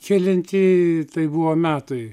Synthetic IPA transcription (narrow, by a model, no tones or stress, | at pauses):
kʲɪlʲɪnʲt̪ʲit̪ɐɪbuʋoːmʲæːt̪ʊɪ